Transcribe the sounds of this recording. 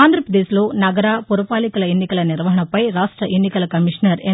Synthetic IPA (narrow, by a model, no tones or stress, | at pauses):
aːnd̪ɾɐpɾɐd̪eːsloːnɐɡɐɾaːpuɾɐpaːlikɐlɐenːikɐlɐniɾʋɐɦɐɳɐpːɐjɾaːʂʈɾɐʔenːikɐlɐkɐmiʂnɐɾe